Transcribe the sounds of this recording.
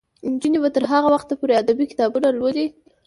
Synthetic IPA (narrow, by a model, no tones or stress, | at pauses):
nd͡ʒənebat̪əɾɦaɣawaxt̪apoɾead̪abikɪ̥t̪ɑbunaɾlod̪e